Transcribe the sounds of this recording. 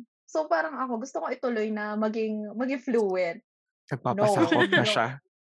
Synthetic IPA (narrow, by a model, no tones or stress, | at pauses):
so̞paːɾɐŋɐko̞ɡʊst̪oko̞ʔɪt̪ʊlo̞jnɐmɐɡɪŋmɐɡɪŋfluːwɛnt̪̚ | nɐɡ̚panoɐsakot̪̚nɐʃa̰